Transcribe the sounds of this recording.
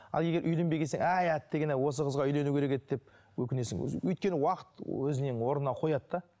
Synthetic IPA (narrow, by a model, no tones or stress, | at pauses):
ɑlˠje̞ɡʲe̞ɾʔʏjle̞mbe̞jkʲeseŋæjæt̪ːeɡʲenæwo̞s̬əqʰəzʁɑʏjle̞nuwkʲʰeɾe̞ket̪ːd̪ep̚ | wɵkʲɪne̞sɪ̰ŋ̰wɵjt̪̚kʲe̞nɪwɑqə̥t̪wɵzɪneŋwo̞ɾnnɑqʰo̞jɑt̪ːɑ